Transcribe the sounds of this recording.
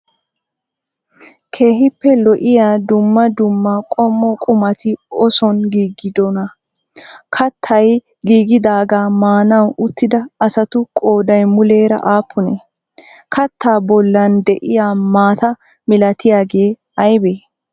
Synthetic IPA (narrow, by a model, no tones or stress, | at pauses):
kʰe̞ːhɪpːɛlɔʔɪjaːd̪ʊmːɐd̪ʊmːɐkʼɔmːɔkʼʊmɐt̪ɪɔsɔnɡiːɡːɪd̪ɔnɐ | kʰɐt̪ʰːɐj | ɡiːɡɪd̪aːɡaːmaːnɐwʔʊt̪ːɪd̪ɐɐsɐt̪ʊkʼoːd̪ɐjmʊleːɾɐ̰ʔaːpʰːʊne | kʰɐt̪ːaːbɔlːɐnd̪ɛʔɪjaːmaːt̪ɐ | mɪlɐt̪ɪjaːɡe̞ː | ɐjbeː